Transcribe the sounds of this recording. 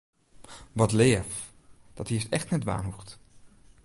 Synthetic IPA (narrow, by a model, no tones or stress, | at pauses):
ʋɑtleːəf | d̥ɑtɦiəstɛχtnɛtʋa̰ːnɦuχt